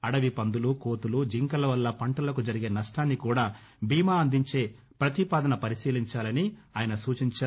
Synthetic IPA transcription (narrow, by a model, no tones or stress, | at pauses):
ɐɽɐʋipɐnd̪ulukoːt̪ulud͡ʒiŋkɐlɐʋɐlːɐpɐɳʈɐlɐkud͡ʒɐɾiɡe̞ːnɐʂʈaːnːikuːɽaː | bʱiːmaːɐnd̪iɲt͡ʃe̞ː | pɾɐt̪ipaːd̪ɐnɐpɐɾisiːliɲt͡ʃaːlɐniaːjɐnɐsuːt͡ʃiɲt͡ʃa